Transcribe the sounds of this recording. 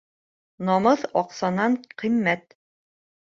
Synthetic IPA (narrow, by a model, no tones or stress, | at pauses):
nɒmɤθɒqsɑnɑɴqĭmːæt̪̚